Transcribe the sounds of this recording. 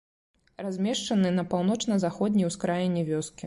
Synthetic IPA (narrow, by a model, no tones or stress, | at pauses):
razʲmʲɛʂt͡ʂɐnɨnɐpawn̪ɔt͡ʂnɐzaxɔd̪ʲnʲijwskɾajinʲːɛvʲɔskʲi